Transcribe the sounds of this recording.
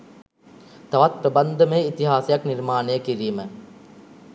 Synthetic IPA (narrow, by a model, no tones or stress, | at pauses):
t̪ɐʋat̪̚pɾəband̪əmeːit̪iɦaːsejakniɾmaːnejəkiɾiːmə